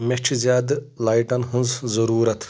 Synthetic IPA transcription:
mʲet͡ʃʰizʲjaːd̪laːjʈɐnɦɨnzzɐɾuːɾɐt̪ʰ

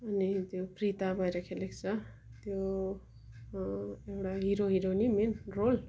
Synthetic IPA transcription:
ʌnit̪joprit̪abʱʌjɾʌkʰelekt͡sʰʌ | t̪jo | ewʈaɦiɾoɦiɾonimenrol

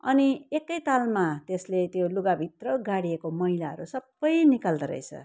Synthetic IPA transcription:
ʌ̰niekːʌjt̪almat̪eslet̪joluɡabʱit̪rʌɡaɽijekomʌɦilaʌ̰ɾusʌbːʌjnikald̪ʌɾʌ̰jt͡sʰʌ̰

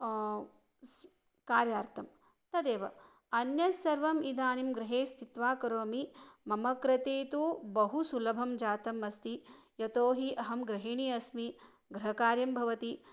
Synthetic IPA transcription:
kaːɾjaːɾt̪ʰɐm | t̪ɐd̪eːʋɐ | ɐnjɐsɐɾʋɐmid̪ʱaːnimɡɾɪɦeːst̪it̪ʋaːkɐɾoːmimɐmɐkɾɐt̪eːt̪ubɐɦusulɐbʱɐmd͡ʒaːt̪ɐmɐst̪ijɐt̪oːɦiʔɐɦɐmɡɾɐɦiɳiɐsmi | ɡɾɐɦɐkaːɾjɐmbʱɐʋɐt̪i

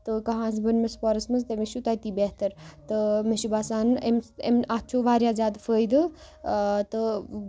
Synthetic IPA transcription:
t̪ɨkɐɦãːns̬bɐnmɐspɔːɾɐsmɐst̪emeʃut̪ɐjt̪iːbeɦt̪ɐɾt̪ɨmeʃubaːsaːnemḛmat͡ʃʰoːʋaːɾjaːzʲaːd̪fəːjd̪ɨ | t̪ɨ

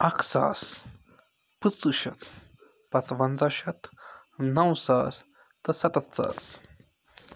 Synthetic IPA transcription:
ɐksa̰ːs | pɨt͡sːɨɕɐt̪ | pɐt͡sʋɐnt͡saɕɐt̪ | nɐwsaːs | t̪ɐsɐt̪ɐt̪t͡sa̰ːs

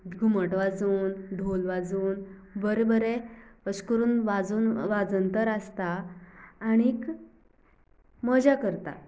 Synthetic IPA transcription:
ɡʱuməʈʋad͡zuːnɖ̪ʱolʋad͡zuːn | bəɾebəɾeəskəɾuːnʋad͡zuːnʋad͡zənt̪əɾast̪aː | ɽ̃ik | məd͡ʑakəɾt̪a̰

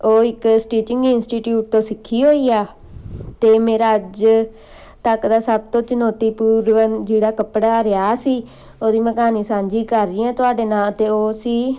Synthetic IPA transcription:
oːɪksʈiːt͡ʃɪ̃ŋɡɪnsʈiːʈjuːʈ̚t̪õːsɪkʰːiːɦoːiːaː | t̪eːmeːɾaːəd͡ʒ | t̪əkd̪aːsəbt̪õːt͡ʃənoːt̪iːpuːɾʋənd͡ʒeːɽaːkəpɽaːɾɪjaːsiː | oːd̪iːməkaːniːsãːɲd͡ʒiːkəɾːɪːãːt̪ʊaːɖeːnaːlt̪eːoːsiː

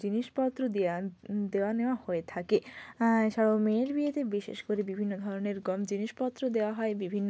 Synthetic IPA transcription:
d͡ʑiniʃpɔt̪ːɾod̪id̪eoaneoahoet̪ʰake | ʃaɽameɾbiet̪ebiʃḛʃkoɾebibʱinːod̪ʱɔɾoneɾɡɔmd͡ʑiniʃpɔt̪ːɾod̪eoaɦɔebibʱinːo

